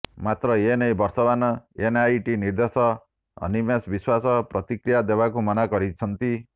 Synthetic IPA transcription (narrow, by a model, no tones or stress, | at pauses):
mat̪rʌenʌjbʌrsʌbanʌenajʈinird̪esʌ | ʌ̰nimesbiswasʌprʌt̪ikrijad̪ebakomʌnaɡʌɾit͡sʰʌnt̪i